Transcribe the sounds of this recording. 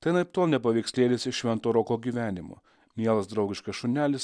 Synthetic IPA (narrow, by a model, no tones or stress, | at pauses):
t̪ʲɐɪnɐɪpt̪oːlˠnʲɛpɐʋʲɛɪksʲlʲeːlʲɪsɪʃʃʲʋʲɛnt̪oːɾɔkoːɡʲiːʋʲæːnʲɪmo̰ː | mʲiɛlˠɐsd̪ɾɒʊɡʲɪʃkɐsʃʊɾʲnʲæːlʲɪs